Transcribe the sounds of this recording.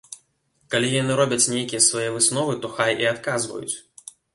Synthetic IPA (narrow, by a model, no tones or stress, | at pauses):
kalʲijanɨɾɔbʲɐt͡sʲnʲejkʲijɐsvajɛvɨsnɔvɨt̪ɔxajʔiat̪kazvɐ̰jṵt͡sʲ